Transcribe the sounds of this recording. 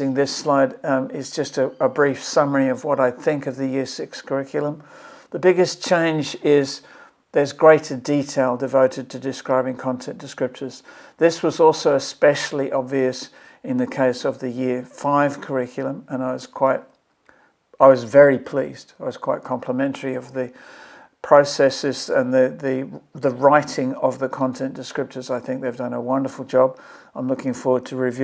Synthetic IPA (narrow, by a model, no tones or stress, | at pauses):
ɪ̃ŋðɪslaɪɾɪzd͡ʒʌstɨəbɹifsʌmə˞iʌvwʌɾaɪθɪ̃ŋkʌvðɨjɪɹsɪkskʰə˞ɪkʰjl̩ˠə̃mðɨbɪɡɨst͡ʃʰẽɪ̃nd͡ʒɪz | ðə˞zɡɹeɪɾə˞ditʰeɪlˠdɨvoʊɾɨd̚tʰɨdɨskɹaɪbɪ̃ŋkʰɑ̃ntʰɛ̃nd̥ɨskɹ̥ɪp̚t͡ʃə˞z̥ðɪswʌzɔlˠsoʊɨspɛʃl̩ˠiʔɑbviɨs | ɨ̃nðɨkʰeɪsʌvðɨjɪɹfaɪv̥kʰə˞ɪkʰjl̩ˠə̃mə̃ñaɪwʌz̥kʰw̥aɪt̚ | aɪwʌzvɛɹipʰl̥ḭzd̥aɪwʌz̥kʰw̥aɪt̚kʰɑ̃mpʰləmɛ̃ntʰə˞iʌvðɨ | pʰɹ̥oʊsɛsɨzɨ̃nðɨðɨðəɹaɪɾɪ̃ŋʌvðɨkʰɑ̃ntʰɛ̃nd̥ɨskɹɪp̚tə˞zaɪθɪ̃ŋk̚ðeɪvdʌ̃nəwʌ̃ndə˞fl̩ˠd͡ʒɑb | ãɪ̃mlʊkɪ̃ŋfɔɹwə˞d̚tʰɨɹivj